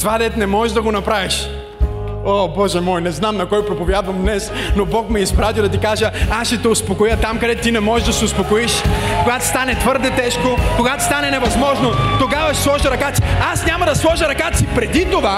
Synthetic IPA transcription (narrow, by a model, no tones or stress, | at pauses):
svad̪ɛt̪nɛmɔʒɛʒd̪ɐɡonɐpɾaviʃ | obɔʒɛmɔjnɛznamnɐkɔjpɾopovʲjad̪vɐmd̪nɛs | nobɔkmɛispɾat̪ʲid̪ɐt̪ikaʒəasʃɛt̪ɛʊspokojət̪amkɐd̪ɛt̪t̪inɛmɔʒɛʒd̪ɐsɛʊspokoiʃkoɡat̪o̥st̪anɛt̪vɤɾd̪ɛt̪ɛʃkokoɡat̪o̥st̪anɛnɛvɐzmɔʒnot̪oɡavɐʃslˠɔʒɐɾɐkat̪siasnʲamɐd̪ɐslˠɔʒɐɾɐkat̪sipɾɛd̪it̪ova